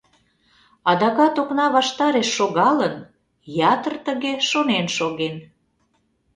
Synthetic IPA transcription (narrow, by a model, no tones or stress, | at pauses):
ɑd̪ɑɣɑt̪oknɑβɑʃt̪ɑɾeʃːoɣɑlən | jɑt̪ərt̪əɣeʃonenʃoɣen